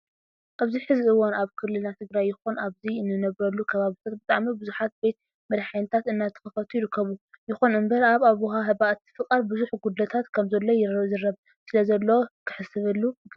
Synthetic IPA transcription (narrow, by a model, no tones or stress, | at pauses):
ʔaβziħɨziʔɨwonaβkʰɨlːɨlnat̪ʰɨɡɾajːɪxunaβziɨnːɨnɐβɾɐlːukʰɐβaβit̪ʰot̪̚bɨt̪ʼaʕmibɨzuħat̪̚be̞t̪̚ | mɐɾħajnɨt̪ʰat̪ɨnːat̪ʰɨ̥xɨfɐt̪ʰujɪɾɨkːɐβujɪxunɨmbɐɾaβaβuɦaɦɨβaʔt̪fɨkʼaɾbɨzuħɡud̪ɐt̪ʰat̪kʰɐmzɐlːo̞jɪɾzɨrːɐβ | sɨlɐzɐlːowokʰɨ̥ħɨsɨβɨlːu